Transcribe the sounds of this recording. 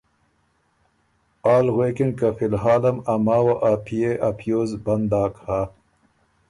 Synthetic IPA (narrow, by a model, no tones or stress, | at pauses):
aːlɣweːkinkɐfilɦaːlɐmɐmaːwaʔapʰijeʔɐpʰjoːzbɐnd̪aːkhaː